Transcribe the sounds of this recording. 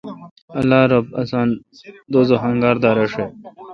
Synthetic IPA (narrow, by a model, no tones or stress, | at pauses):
ɐlːaːɾɐbɐsaːn | d̪oːzoɦɐŋɡaːɾd̪aːɾeʂe